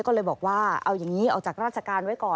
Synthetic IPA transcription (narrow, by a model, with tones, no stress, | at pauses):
kɔː˥˩lɤː˧jbɔː˨˩k̚waː˥˩ʔa˧wjaː˨˩ŋiː˦˥ʔaː˨˩wt͡ɕaː˨˩k̚ɾaː˥˩t͡ɕʰa˧˩kaː˧nwa˦˥jkɔː˨˩